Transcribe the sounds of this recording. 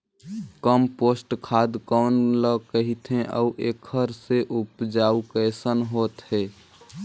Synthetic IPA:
kəmpoːsʈkʰad̪kəːnləkəɦit̪ɦẽʔə̰uʔekʰəɾseʔupd͡ʒaukəsənɦot̪ɦɛː

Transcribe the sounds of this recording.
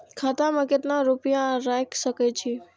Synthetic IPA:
kʰat̪amə̃ket̪nãɾupijãɾajkʃəkat͡ʃʰe

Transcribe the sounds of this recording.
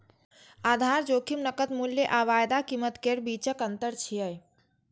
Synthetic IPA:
ad̪ʱaɾd͡ʒokʰimnəkət̪muljeʔaʋajd̪akimət̪keɾbit͡ʃəkənt̪əɾt͡ʃʰijəj

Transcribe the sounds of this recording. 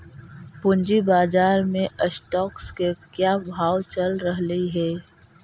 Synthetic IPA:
pʊ̃nd͡ʒibaːd͡ʒaːɾmẽʔəsʈɔːkskekjaːbʱaːʋt͡ʃɐlɾəɦləiɦɛː

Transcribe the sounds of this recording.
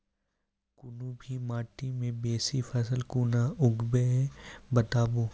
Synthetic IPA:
kʊnũbʱimaːʈimẽbeːsifʰɐsəlkuːnaʊɡbeɦɛbɐt̪aːboː

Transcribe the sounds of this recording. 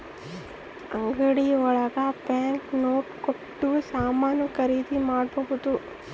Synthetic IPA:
ɐŋɡɐɽiɔɭɐɡɐpjaːŋknoːʈkoʈːusaːmaːnɐkɐɾiːd̪imaːɽbɐɣud̪u

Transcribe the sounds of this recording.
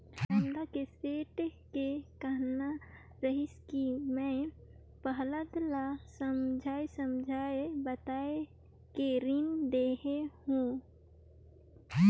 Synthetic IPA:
əmd̪akeseːʈkekəɦna | ɾəɦɪskimɛ̃ | pəɦləd̪lasəmd͡ʒʱaːesəmd͡ʒʱaːebət̪aːe | keɾind̪eːɦehũ

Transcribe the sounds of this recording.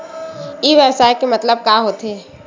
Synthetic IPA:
iːʋɛsaːekemɐt̪ləb̚kaːɦoːt̪ɦeː

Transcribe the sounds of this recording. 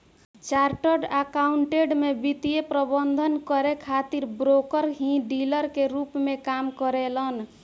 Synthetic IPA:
t͡ʃaɾʈəɖakauɳʈeɖmebit̪ijepɾəbənd̪ʱənkəɾekʰat̪iɾbɾokəɾɦĩɖiləɾkeɾupmekamkəɾelən

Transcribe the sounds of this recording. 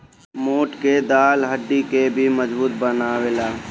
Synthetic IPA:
moːʈked̪aːlɦəɖːikebʱiməzbuːt̪̚bənaːʋeːlaː

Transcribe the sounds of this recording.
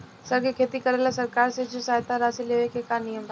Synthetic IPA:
sɐɡkʰeːt̪ikɐɾelaːsɐɾkaːɾsed͡ʑosaːɦt̪aɾaːsileːʋekʰeːkanijəmd̪a

